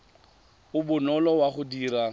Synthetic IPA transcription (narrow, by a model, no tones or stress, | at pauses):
ʊbʊnɔlɔwaχʊdiːɾa